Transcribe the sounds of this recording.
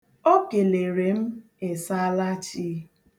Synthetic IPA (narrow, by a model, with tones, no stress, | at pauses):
o˦ke˨le˨ɾe˨m̩˦ | e˨sa˦la˦t͡ʃi˦